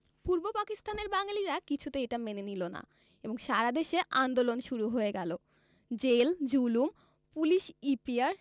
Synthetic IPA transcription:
puɾbopakist̪aneɾbaŋaliɾakit͡ɕʰut̪eejʈamenenilona̰ | eboŋʃaɾad̪eʃeʔand̪olonʃuɾuɦoeɡɛlo | d͡ʑeld͡ʑulum | puliʃipiaɾ

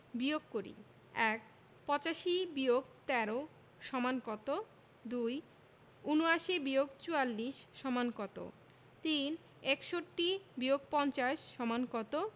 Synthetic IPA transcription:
bijoɡkoɾḭ | ɛk̚ | pɔt͡ɕaʃibioɡ̚t̪ɛɾo | ʃɔmankɔt̪o | d̪uj | unuaʃibioɡt͡ɕualːiʃʃɔmankɔt̪o̰ | t̪in | ekʃoʈːibioɡpɔnt͡ɕaʃʃɔmankɔt̪o

